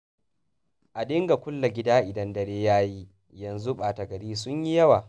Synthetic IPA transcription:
ʔa˨dɪ˦ŋɡa˨kʷʊ˦lːa˨ɡʲɪ˦daː˦ʔɪ˨dɐ˦ndɐ˨ɽeː˦jaː˦ji˦ | jɐ˨nzu˦ɓaː˨tɐ˨ɡɐ˨ɾiː˦sʊ˦ɲji˦jɐ˦waː˨

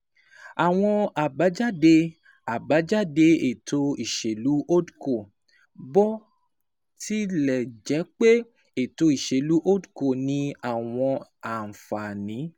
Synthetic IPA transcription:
a˨w̃ɔ̃˧a˨ba˨˦d͡ʒa˦˨de˧ | a˨ba˨˦d͡ʒa˦˨de˧e˨to˧i˨ʃe˨lu˨˦o˦dko˨ | bɔ˦ | ti˦lɛ˨d͡ʒɛ˨˦k͡pe˦ | e˨to˧i˨ʃe˨lu˨˦ʔo˦du˨ko˦˨nĩ˧a˨w̃ɔ̃˧a˨n̩˨fa˨nĩ˨˦

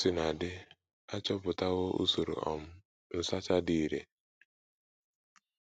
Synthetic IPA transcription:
si˨na˨dɪ˦ | a˦t͡ʃɔ˦pʊ˨ta˦ɣʊ˦ṵ˦so˨ɾṵ˨ʔɔ̰˨m̩˦ | n̩˨sa˦t͡ʃa˦di˨ɾḛ˨

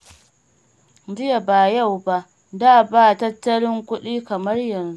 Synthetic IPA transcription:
d͡ʒɪ˦ja˨baː˨ja˦˨wba˦ʔ | daː˦baː˦˨tɐ˦tːɐ˦lɪ˦ŋkʷʊ˦ɗiː˦kɐ˨mɐ˦rjɐ˨nzu˦

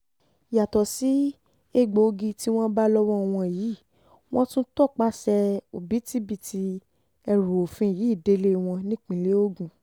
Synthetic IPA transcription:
ja˨tɔ˨si˨˦ | e˦ɡ͡bo˧ɡi˧ti˦w̃ɔ̃˦ba˦lɔ˦wɔ̃˦˨w̃ɔ̃˧˨ji˨˦˨ | w̃ɔ̃˦tũ˦tɔ˦˨k͡pa˦sɛ˧o˨bi˨˦ti˦bi˦˨tʰi˧ | ɛ˧ɾu˨o˨fĩ˧˨ji˨˦i˦˨de˧˦le˦w̃ɔ̃˧nĩ˦k͡pĩ˧˨le˦o˦ɡũ˨

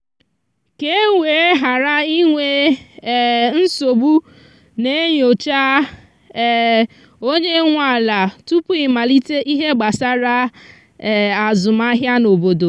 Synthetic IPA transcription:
ke˦ŋʷe˨˦ɦa˨ɾa˦i˦ŋʷe˨ | n̩˦so˨bu˦ | ne˦ɲo˨t͡ʃa˦˨ | o˦ɲe˦ŋʷa˨la˨tu˦pʊ˦ɪ˨ma˨li˦te˦ʔi˦ɦe˦ɡ͡ba˨sa˦ɾa˦˨ | a˨zʊ˨ma˦ɦja˦no˨bo˨do˨

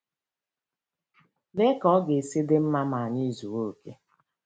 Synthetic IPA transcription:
be˦kɔ˦ɡe˨si˦dɪ˦m̩˦ma˦ma˨ɲi˦zu˨wo˦˨ke˦

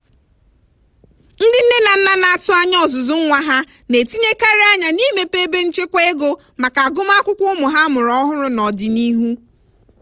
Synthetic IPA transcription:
n̩˦dɪ˦n̩˦ne˦na˨n̩˦na˦na˦˨tʊ˦a˦ɲ˦ɔ˨zʊ˨zʊ˦ŋ̩˦ŋʷa˦ɦa˦ | ne˨ti˦ɲe˦ka˦ɾɪ˦a˦ɲa˨ni˦me˨pe˦be˦n̩˦t͡ʃe˦kʷe˦e˦ɡo˦ | ma˨ka˨a˨ɡʊ˦m˦a˦kʷʊ˦kʷʊ˦mʊ˨ɦa˦mʊ˨ɾɔ˦ɦʊ˦ɾʊ˦nɔ˨dɪ˨ni˦ɦu˦

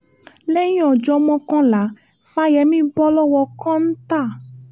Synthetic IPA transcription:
lɛ˦jĩ˦ɔ˨d͡ʒɔ˧mɔ̃˦kɔ̃˦la˨˦ | fa˧˦jɛ˨˦mĩ˦bɔ˦lɔ˦wɔ˧˦kã˦ñ̩˦t̪a˦˨

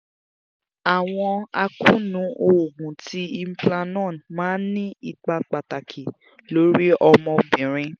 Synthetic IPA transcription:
a˨w̃ɔ̃˧a˧kũ˦nũ˨˦ʔo˧o˨ɡũ˨ti˧˦i˧m̩˦plã˧nɔ̃˦˨nmãː˨˦nĩ˦i˧k͡pa˧k͡pa˨ta˨kʰi˨ | lo˨˦ɾi˦ʔɔ˧mɔ̃˧bĩ˨ɾ̃ĩ˧

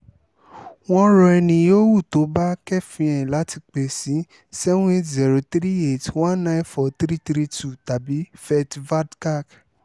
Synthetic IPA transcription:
w̃ɔ̃˦ɾɔ˧ɛ˧nĩ˧jo˦wu˦˨to˨˦ba˦kɛ˦˨fĩ˧ɛ̃˨la˨˦ti˧k͡pe˨si˨˦ | sɛ˦wẽ˦tzɛ˨ɾo˧t̪ɾi˦e˦˨twã˦nnã˦j̃nfɔ˧˨t̪ɾi˦t̪ɾi˦tʰu˦˨ta˨bi˨˦fɛ˧tva˦dka˦˨k

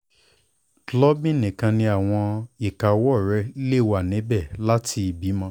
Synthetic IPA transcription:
lɔ˦bĩ˦˨nĩ˨kã˧nĩ˧a˦˨w̃ɔ̃˧i˨ka˨wɔ˦˨ɾɛ˧˦le˦˨wa˨nĩ˨˦bɛ˦˨la˦tʰi˧i˨bi˨˦mɔ̃˧˦

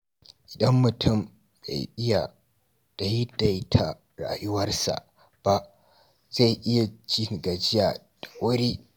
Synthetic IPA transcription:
ʔɪ˨dɐ˦mːʊ˨tʰʊ˦˨m | ba̰˨jʔɪ˦ja˨ | d̥a˨jɪ˦da˨jtʰa˨ | ɾa̰ː˨jʊ˦wɐ˦rsa̰˨ʔ | b̥a˨ | za˦˨jʔɪ˦ja˨d͡ʒi˦ŋ˨ɡa˨d͡ʒɪ˦ja˨ | d̥ḁ˨wʊ˦ɾiː˦

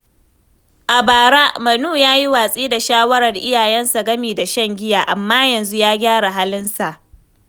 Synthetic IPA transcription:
ʔa˨baː˨ɾa˦mɐ˨nuː˦˨jaː˦ji˦waː˨sʼiː˦da˨ʃaː˦wɐ˦ɾɐ˨rʔɪ˦jaː˨jɛ˦nsa˨ɡɐ˦miː˨da˨ʃɐ˦ŋɡʲɪ˦jaː˨ʔa˨mːaː˦jɐ˨nzu˦jaː˦ɡʲaː˦ɽa˨ɦa˦lɪ˦nsa˨ʔ

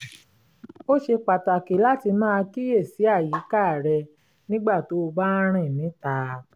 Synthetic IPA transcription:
o˦ʃe˧k͡pa˨ta˨ke˨˦la˦ti˧mãː˦˧ki˦je˦˨si˨˦a˦˨ji˨˦ka˦˨ɾɛ˧ | nĩ˦ɡ͡ba˦˨to˨˦o˧ba˦ɾ̃ĩ˦˨nĩ˨˦ta˧

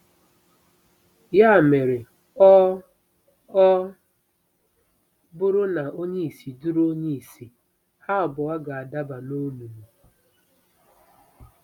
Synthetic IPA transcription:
ja˦˨me˨ɾe˨˦ | bʊ˦ɾʊ˦na˨o˦ɲe˦i˨si˨du˦ɾo˦ɲe˦i˨si˨ | ha˦ɔ˨bʊ˨wa˦ɡa˨a˨da˦ba˨no˦nu˨mu˨

